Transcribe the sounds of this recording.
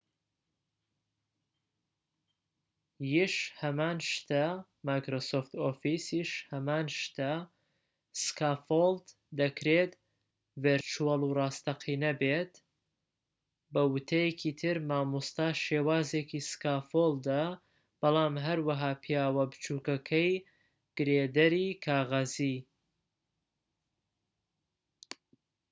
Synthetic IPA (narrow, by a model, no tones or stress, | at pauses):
jiʃhɐmaːnʃt̪a | maːjkɾoːsoːft̪oːfisiʃhɐmaːnʃt̪a | skaːfold̪ | d̪ɐkʰɾeːt̪ | veɾt͡ʃualˠurɑːst̪ɐqʰiːnɐbet̪ | bɐwʊt̪ʰɐjekʰiːt̪ʰɨɾmaːmust̪aʃeːwaːzekʰiskaːfolˠd̪ɐ | b̥ɐlˠaːmɦɐɾwɐɦaːpʰijaːwɐbɨt͡ʃuːkɐkʰɐj | ɡ̥ɨɾed̪ɐɾiːkʰaːɣɐziː